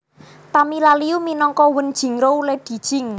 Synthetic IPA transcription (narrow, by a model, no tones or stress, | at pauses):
t̪amilaliuminɔŋkɔwənd̥ʒ̥i̤ŋɾouled̪̥i̤d̥ʒ̥ɪ̤ŋ